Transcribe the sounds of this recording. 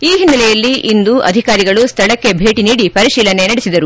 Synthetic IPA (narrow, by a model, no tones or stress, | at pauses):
iːɦinːɐlɛjɐlːiʔind̪uʔɐ̰d̪ʱikaːɾiɡɐɭust̪ʰɐɭɐkːe̞bʱe̞ːʈiniːɽipɐɾiʃiːlɐne̞nɐɽesid̪ɐɾu